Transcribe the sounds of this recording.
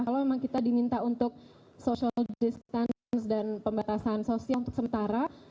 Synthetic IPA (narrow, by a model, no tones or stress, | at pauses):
kalamemaŋkit̪adimint̪aunt̪ʊk̚ | sosialdist̪an | sdanpəmbat̪asansosialunt̪ʊ̥ksəmənt̪aɾa